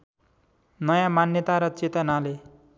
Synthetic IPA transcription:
nʌjãmanjʌt̪aɾʌt͡set̪ʌnale

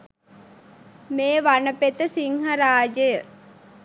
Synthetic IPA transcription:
meːʋanəpet̪əsiŋhɐɾaːd͡ʒəjə

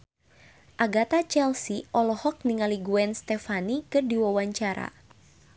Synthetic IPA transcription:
ʔaɡat̪at͡ʃɛlsiʔɔlɔhɔk̚niŋaliɡuɛnst̪ɛfanikɨrdiwawaɲt͡ʃaɾa̰

